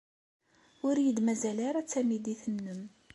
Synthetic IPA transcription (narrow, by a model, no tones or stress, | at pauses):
ʊɾjəd̪mæzælaɾæt͡sːæmid̪iθənːəm